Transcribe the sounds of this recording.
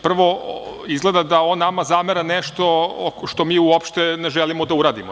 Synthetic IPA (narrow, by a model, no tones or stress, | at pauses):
pr̩ʋo̞ | izɡle̞d̪ad̪ao̞nːamazameɾaneʃt̪o̞ʃt̪o̞miːuopʃt̪eneʒelimod̪auɾaːd̪imo